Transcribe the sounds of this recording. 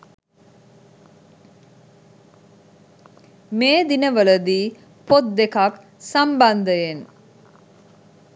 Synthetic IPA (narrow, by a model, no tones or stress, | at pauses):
meːd̪inəʋələd̪iː | pot̪̚d̪ekak | samband̪əjen